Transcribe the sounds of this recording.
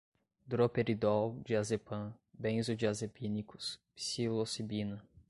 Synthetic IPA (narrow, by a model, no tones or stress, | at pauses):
d̪ɾopeɾid̪ɔwd͡ʒiazepɐ̃bẽj̃zʊd͡ʒiazepʰinikʊ̥spsilosibinɐ